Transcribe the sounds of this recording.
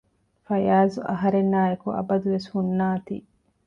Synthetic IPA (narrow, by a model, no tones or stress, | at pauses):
fɐjaːzuʔɐɦɐɾenːaːjekuʔɐ̰bɐd̪uʋeshunːaːt̪ḭː